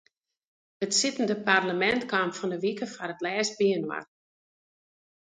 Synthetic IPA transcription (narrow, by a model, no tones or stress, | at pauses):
ətsɪtəndəparləmɛntkamfɔndəʋikəfarətlɛːst̚biənwa̰r